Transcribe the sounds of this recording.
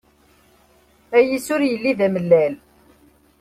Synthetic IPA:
æjisʊɾjəlːiðæməlːæl

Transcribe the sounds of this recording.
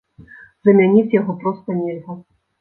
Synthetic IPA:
zɐmʲanʲit͡sʲjaɣɔpɾɔst̪ɐnʲelʲzɐ

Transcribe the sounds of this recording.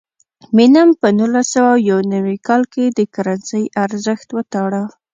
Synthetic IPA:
minampənulasawawjawnawikɑlked̪əkaɾansəjʔaɾzəxt̪wət̪ɑɽa

